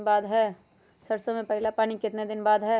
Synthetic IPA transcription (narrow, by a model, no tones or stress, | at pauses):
baːd̪ɦɛː | sɐɾsõmẽpɐɦɪlapaːñikɪt̪ned̪ɪnbaːd̪ɦɛː